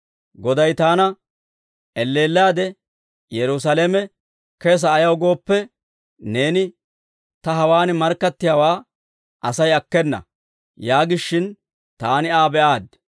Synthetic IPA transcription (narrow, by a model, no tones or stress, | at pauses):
ɡɔd̪ɐjt̪aːnɐ | ʔɛlːe̞ːlːaːd̪ɛ | jɛɾʊs̬ɐlemɛ | keːs̬ɐːjɐwɡo̞ːpːɛ | ne̞ːnɪ | t̪ɐɦɐwaːnɪmɐɾkːɐt̪ːɪjaːwaː | ʔɐsɐjɐkːɛnːɐ̰ | jaːɡɪʃːɪn | t̪aːnɪaːbɛʔaːd̪